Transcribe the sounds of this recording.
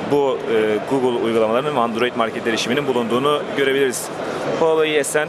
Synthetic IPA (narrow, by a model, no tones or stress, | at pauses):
buɯɡuɡɯlˠujɡulˠamalˠaɾɯnvand̪ɾo̞jit̪maɾʲcʰet̪ʰʲeɾeiʃimininbulˠund̪uːnuɟø̞ɾe̞bilʲiɾiz̥ | bolˠajɯɛsæn